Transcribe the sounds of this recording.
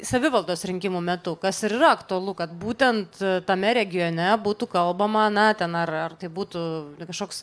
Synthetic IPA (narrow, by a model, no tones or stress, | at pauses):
sɐʋʲɪʋɐlˠd̪oːsɾʲɪŋʲkʲɪmuːmʲɛt̪ʊkɐsɪɾiːɾɐɐkt̪ʊɐlˠʊkɐt̪buːt̪ʲɛnt̪t̪ɐmʲɛɾʲɛɡʲɪjoːnʲɛbuːt̪uːkɐlˠbɐmɐnɐt̪ʲɛnɐrɐrt̪ɐɪbuːt̪ʊkɐʃkoːks